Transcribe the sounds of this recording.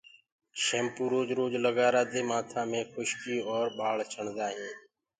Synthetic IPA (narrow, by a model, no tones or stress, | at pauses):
ʃeːmpuːɾoːd͡ʒɾoːd͡ʒləɠaːɾaːd̪eːmaːt̪ʰãːmẽːxʊʃkiːɔːɾɓaːɭt͡ʃʰəɳd̪aːɦĩː